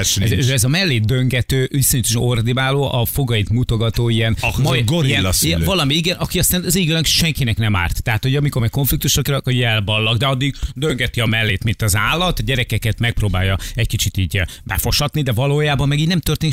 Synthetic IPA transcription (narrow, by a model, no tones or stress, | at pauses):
ɛzøːɛzɒmɛlːeːt̪̚d̪øŋɡɛt̪øːvisoɲit̪ɛʃɛo̞rd̪inaːloːʔɒfo̞ɡɒjit̪mut̪o̞ɡɒt̪oːijɛnmɒjɡoɾiiɛlsivɒlɒmiiɡɛnʔɒkiɒst̪aːnziːɡølɛkʃɛŋkinɛknɛma̰ːrt̪ːɛɦat̪ho̞ɟɒmikormɛko̞ɱflik̚t̪uʃokiɾɒkoɟɛlbɒlːɒɡd̪ɛɒd̪ːiɡd̪øŋɡɛt̪iɒmɛlːeːt̪mint̪ɒzaːlːɒt̪ɒɟɛɾɛkɛkɛt̪mɛk̚proːbaːjɒɛckit͡ʃit̪iːɟbɛfo̞ʃɒt̪nid̪ɛvɒloːjaːbɒmːɛɡiːɟnɛmt̪ørt̪eːni